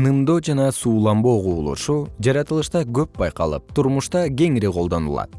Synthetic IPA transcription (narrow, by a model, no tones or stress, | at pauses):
nɯmd̪od͡ʒɑnɑsuːlˠɑmbo̞quːlˠṵʃud͡ʒɑɾɑt̪ɯlˠɯʃt̪ɑɡø̞p̚bɑjqɑ̰lˠɯ̰p̚t̪ʰuɾmuʃt̪ɑɡʲe̞ŋiɾiqʰo̞lˠd̪o̞nṵlˠɑ̰t̪̚